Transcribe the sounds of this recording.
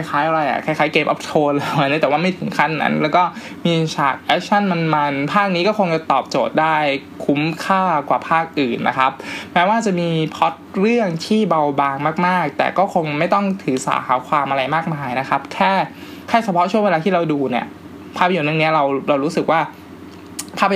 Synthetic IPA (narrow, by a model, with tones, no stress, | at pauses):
ka˧jxʰaː˦˥jʔa˧ɾa˧jʔa̰˨˩kʰa˧˩jxʰaː˦˥jkeː˧mʔɔ̰˦˥p̚t̪ʰoː˧lɤː˧ni˦˥t̪ɛː˨˩waː˥˩ma˥˩jt̪ʰɯ˩˦ŋkʰa˥˩nːa̰˦˥nlɛː˦˥wkɔː˥˩ | miː˧t͡ɕʰa̰ː˨˩k̚ʔɛ˦˥k̚t͡ɕʰa˥˩nma˧nma˧npʰaː˥˩k̚niː˦˥kɔː˥˩xo˧ŋt͡ɕa˨˩t̪ɔː˨˩p̚t͡ɕoː˨˩t̪̚daː˥˩jkʰu˦˥mkʰaː˥˩kwa̰ː˨˩pʰaː˥˩k̚ʔɯː˨˩nːa̰˦˥kʰa˦˥p̚mɛː˦˥waː˥˩t͡ɕa˨˩miː˧pʰɔ˦˥t̪̚ɾɯ˥˩əŋt̪ʰiː˥˩ba˧wbaː˧ŋmaː˥˩k̚maː˥˩k̚t̪ɛ̰ː˨˩kɔː˥˩kʰo˧ŋma˥˩jt̪ɔ˥˩ŋt̪ʰɯː˩˦sa̰ː˩˦ha̰ː˩˦kʰwaː˧mʔa˧ɾa˧jmaː˥˩k̚maː˧jna˦˥kʰa˦˥p̚kʰɛː˥˩ | kʰɛː˥˩t͡ɕʰa˧pʰɔ˦˥ʔt͡ɕʰu˥˩we˧aː˧iː˥˩ɾa˧wduː˧ni˥˩ə | pʰaː˥˩pʰːnɯ˥˩ni˦˥ɐɾa˧wɾa˧wɾuː˦˥sɯ˨˩k̚waː˥˩ | pʰaː˥˩p̚ʰ